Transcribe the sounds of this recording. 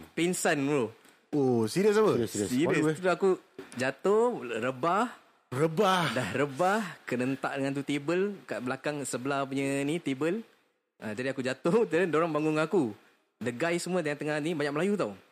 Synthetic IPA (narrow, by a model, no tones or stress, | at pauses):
pinsanmulo | osiɾəs̬aəsiɾəst̪uakud͡ʒat̪oɾəbah | rəbahdahrəbahkənənt̪a̰ʔdəŋant̪ut̪ibəlkaʔbəlakaŋsəbəlahp̬uɲənit̪ibəl | ʔəd͡ʒadiakud͡ʒat̪ʊt̪əɾəndoɾaŋbaŋʊŋaku | dəɡajsəmũət̪jãŋt̪əŋahnibaɲak̚məlajut̪aw